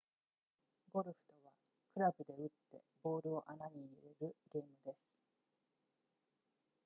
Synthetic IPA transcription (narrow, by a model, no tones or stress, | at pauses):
ɡo̞ɾɯ̟ɸɯ̥t̪o̞βa | kɯ̟ɾabɯ̟d̪e̞ɯ̟t̪ːe̞̰bo̞ːɾɯ̟o̞ʔanaɲ̟iɾe̞ɾɯ̟ɡʲe̞ːmɯ̟d̪e̞sɨ̥